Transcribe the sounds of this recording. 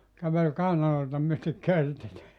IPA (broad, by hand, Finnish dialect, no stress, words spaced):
kæʋel kɑˑinɑloitɑ myøtek̆ kørtit